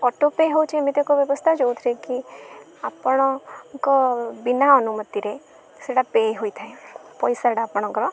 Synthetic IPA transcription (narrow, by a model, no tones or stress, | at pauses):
ɔʈopeɦowt͡ʃimit̪ekɔʋjəbəst̪ʰad͡ʒowt̪ʰɾeki | apəɽ̃ɔkɔbinaənumət̪iɾe | seɽapeɦoit̪ʰaẽpɔjsaɽaːpɽ̃ɔ̃ŋkɔɾɔ